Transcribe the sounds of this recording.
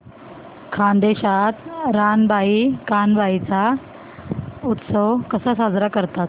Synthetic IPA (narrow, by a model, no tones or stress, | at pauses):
kʰãnd̪eɕat̪ɾanbʱaikanbʱait͡sa | ut̪səwkəsəsad͡zɾakəɾt̪at̪̚